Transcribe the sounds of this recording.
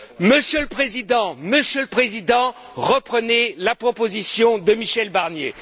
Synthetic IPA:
məsjələpχezid̪ɑ̃məsjələpχezid̪ɑ̃ʁəpχənɛlapχɔpozisjɔ̃d̪əmiʃɛlbaʁnjḛ

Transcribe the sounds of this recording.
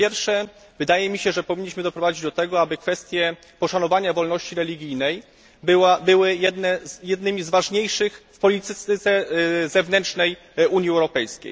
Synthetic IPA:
pʲjɛɾfʂɛ | vɘd̪ajɛmʲiɕɛʐɛpɔvʲiɲːiɕmɘd̪ɔpɾɔvad͡ʑid͡ʑd̪ɔt̪ɛɡɔabɘkfɛst̪ʲjɛ | pɔʂanɔvaɲavɔlnɔɕt͡ɕiɾɛlʲiɡʲijnɛj | bɘwabɘwɘjɛd̪nɛzjɛd̪nɘmʲizvaʐɲejʂɘxfpɔlʲit̪ɘt̪sɛzɛvnɛntt͡ʂnɛj | uɲiɛwɾɔpɛjskʲḛj

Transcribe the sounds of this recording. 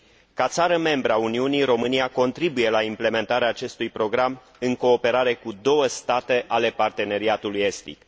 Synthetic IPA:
kat̪saɾəme̞mbɾəauniuniɾo̞mɨniako̞nt̪ɾibuje̞laimple̞me̞nt̪aɾeaːt͡ʃe̞st̪ujpɾo̞ɡɾam | ɨŋko̞ːpe̞ɾaɾe̞kud̪o̞wəst̪at̪e̞ʔale̞part̪e̞ne̞ɾiat̪uluje̞st̪ḭk

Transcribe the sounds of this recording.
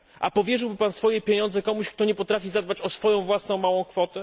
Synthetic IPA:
ʔa̰pɔvʲjɛʐɘwbɘpansfɔjɛpʲeɲɔ̃nd̪zɛkɔmuɕk̚t̪ɔɲɛpɔt̪ɾafʲizad̪̚bat͡ɕɔsfɔjɔ̃w̃vwasnɔ̃w̃mawɔ̃w̃kfɔt̪ɛ

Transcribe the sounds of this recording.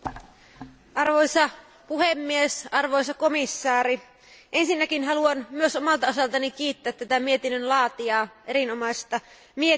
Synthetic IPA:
ʔɑrʋojsɑ | puɦemːiesɑrʋo̞jsɑko̞misːɑːɾi | ʔe̞nsinːækinɦɑluɑnmyøsomɑlt̪ɑo̞sɑlt̪ɑnik̟iːt̪ːæːt̪ːæt̪æmie̞t̪inːønlɑːt̪iɑːʔeɾinomɑjst̪ɑ | mie

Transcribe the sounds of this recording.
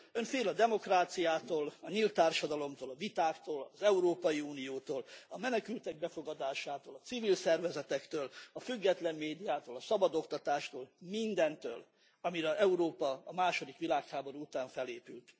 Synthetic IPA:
øɱfeːlɒd̪ɛmo̞kraːt̪sijaːt̪oːlɒɲilt̪ːaːrʃɒd̪ɒlo̞mt̪oːlɒvit̪aːkt̪oːlɒzɛuɾoːpɒjiuːnijoːt̪oːlɒmɛnɛkylt̪ɛɡ̚bɛfo̞ɡɒd̪aːʃaːt̪oːlɒt̪sivilsɛrvɛzɛt̪ɛkt̪øːlɒfyɡːɛt̪lɛmːeːd̪ijaːt̪oːlɒsɒbɒd̪o̞kt̪ɒt̪aːʃt̪oːlmind̪ɛnt̪ø̰ːl | ɒmiɾɛɛuɾoːpɒːmaːʃo̞d̪ikʋilaːkhaːbo̞ɾuut̪aːɱfɛleːpylt̪

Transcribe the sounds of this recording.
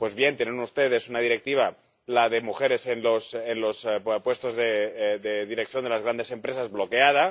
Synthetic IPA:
pwe̞zβje̞nt̪jenenust̪e̞ð̞e̞sunað̞iɾek̚t̪iβ̞a | laðemuxe̞ɾe̞senlosenlospwe̞st̪o̞zðeðeðiɾek̚θjo̞nd̪e̞lazɣɾand̪e̞se̞mpɾe̞sazβlo̞keað̞a

